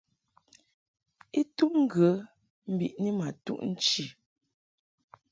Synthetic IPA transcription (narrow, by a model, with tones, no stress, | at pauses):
i˦tu˦ʔŋ̩˦ɡə˨˦ | m̩˦bḭ˨ʔni˦ma˨tṵ˦˨ʔn̩˦t͡ʃi˦˨